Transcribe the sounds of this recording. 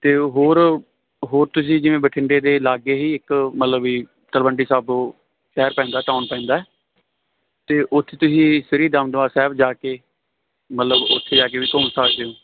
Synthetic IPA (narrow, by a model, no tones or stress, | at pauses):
t̪eːɦoːɾ | ɦoːɾt̪ʊs̬ĩːd͡ʒɪʋẽːbəʈʰɪɳɖeːd̪eːlaːɡeːɦiːɪkmət̪ləbiː | t̪əlbəɳɖiːsaːb | ʈɛːɾpɛ̃ːnd̪aːʈaːnpɛ̃ːnd̪aːɛː | t̪eːʔʊt̪ʰːeːt̪ʊsĩːsɪɾiːd̪əmd̪oaːsɛːbd͡ʒaːkeː | mət̪ləbʊ̰t̪ʰːeːd͡ʒaːk̬eːʋiːkoːmsaːk̚d̪eõː